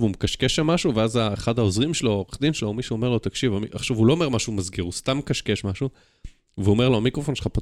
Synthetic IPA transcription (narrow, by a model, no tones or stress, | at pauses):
vumekaʃkeʃamːaʃuveazaeχadhaozʁimʃeloχd̪imʃelomiʃuome̞ʁlo̞t̪akʃivamiʔaχʃavulo̞ome̞ʁmaʃumazɡiʁust̪amekaʃkeʃmaʃu | veuome̞ʁloamikʁofo̞nʃelχapa